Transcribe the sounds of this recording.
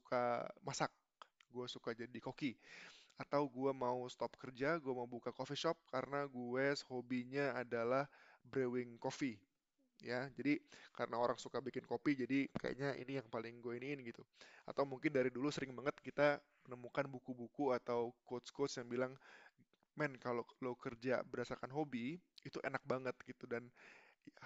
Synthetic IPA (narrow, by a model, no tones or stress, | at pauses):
sukʰamasak̚ | ɡuɛsukad͡ʒadikokiat̪awɡuɛmaust̪ɔp̚kərd͡ʒaɡuɛmaubukakofiʃɔp̚kaɾənaɡuɛshobiɲaːdalahbɾewɪŋkofi | jad͡ʒadikaɾənaoɾaŋsukabikɪnkopid͡ʒadika̰ja̰ɲaʔḭnijaŋpalɪŋɡuainiːnɡit̪ua̰t̪awmuŋkɪndaɾidulusəɾɪŋbaŋət̪̚kit̪a | mənəmukanbukubukuat̪awkotskosjaŋbilaŋ | mɛnkalolokərd͡ʒa̰bərdasakanɦobiit̪uʔenak̚baŋət̪̚ɡit̪udanja